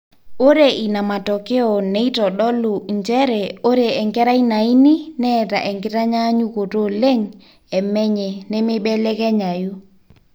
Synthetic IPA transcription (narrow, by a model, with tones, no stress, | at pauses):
o˦ɾe˨ʔi˨na˨ma˨tɔ˨ke˦ɔ˨ne˦i˦tɔ˨ɗɔ˦lu˨ɲd͡ʒɛ˦ɾɛ˨o˦ɾe˨ɛ˨ŋɡɛ˦ɾa˦i˦na˨i˦ni˦nɛ˦˨ta̰˨ʔɛ˨ŋɡɪ˦ta˦ɲa˦ɲu˦ko˨to˦le˦ŋ | ɛ˨mɛ˦ɲɛ˨ne˦mɪ˦ɓɛ˦lɛ˦kɛ˦ɲa˨ju˦